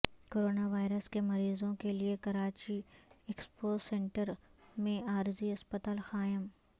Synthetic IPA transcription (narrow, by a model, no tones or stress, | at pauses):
koːɾoːnaʋaːɪɾəskemɐɾiːzõkeliekɐɾaːt͡ʃiekspoːsɛ̃ːɳʈəɾmẽaːɾziɐspət̪aːlxaːjəm